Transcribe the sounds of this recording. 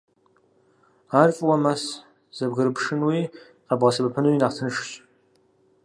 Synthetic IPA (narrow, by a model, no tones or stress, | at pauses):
art͡ʃʼwamas | z̥abɡɨɾɨpʰʂɨnwi | qabʁasɨbapʰɨnwinaʁtʰɨnɨʂɕʼ